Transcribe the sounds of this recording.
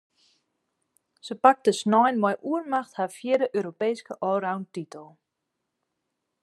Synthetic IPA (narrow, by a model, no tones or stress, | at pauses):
sœpak̚t̪əsnɔjnmajʔuəɾmaχt̪hafjɛːɾəʔœɾopejskəʔɔwɾawntit̪əlˠ